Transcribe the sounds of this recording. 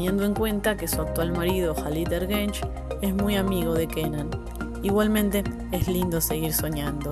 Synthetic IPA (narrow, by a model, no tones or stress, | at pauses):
jend̪oeŋkwe̞nt̪akesuak̚t̪walmaɾiðo̞xalid̪eɾɣent͡ʃ | e̞smujamiɣ̞o̞ðe̞kenan | iɣwalmẽ̞nt̪e | eslind̪o̞se̞ɣiɾso̞ɲãnd̪o